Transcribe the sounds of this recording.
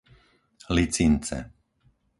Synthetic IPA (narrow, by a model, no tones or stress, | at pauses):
lit͡sint͡sɛ̰